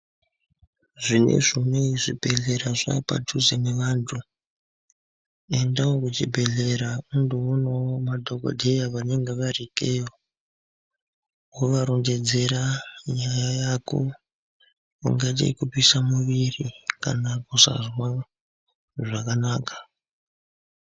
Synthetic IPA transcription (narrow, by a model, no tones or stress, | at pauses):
ʐine̞̰ʐimeiʐibʱe̞ɮe̞ɾaʐa̰pa̰tʰuzeneʋaːntʰu | e̞ndawokut͡ʃibʱe̞ɮe̞ɾaundoonowomadʱo̞ko̰dʱejaʋane̞ŋɡe̞ʋarikejo | woʋaɾo̞nde̞d͡ze̞ɾaɲajajako | ṵŋɡatḭkupwisamuʋirika̰nakusa̰zwa | ʐakanaːkḁ